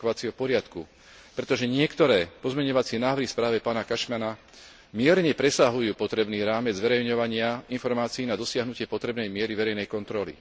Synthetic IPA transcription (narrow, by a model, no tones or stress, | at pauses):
ɔʋat͡siɦɔpɔɾɪat̪ku | pɾɛt̪ɔʒɛɲɪɛkt̪ɔɾɛːpɔzmɛɲɔʋat͡sɪɛnaːʋɾɦispɾaːʋɛpaːnakaʃmana | mɪɛɾɲɛpɾɛsaɦujuːpɔt̪ɾɛbniːɾaːmɛd͡zzʋɛɾɛjɲɔʋaɲɪainfɔɾmaːt͡siːnad̪ɔsɪaɦnucɪɛpɔt̪ɾɛbnɛjmɪɛɾiʋɛɾɛjnɛjkɔnt̪ɾɔlḭ